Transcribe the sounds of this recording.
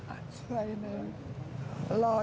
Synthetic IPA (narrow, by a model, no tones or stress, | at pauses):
ətʰɹ̥ẽɪnə | əlɑːˑ